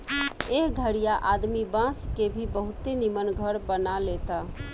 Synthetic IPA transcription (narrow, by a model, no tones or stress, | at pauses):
eɦɡʱəɽijaʔaːd̪mibãskebʱibəɦʊt̪enimənɡʱəɾbənalet̪a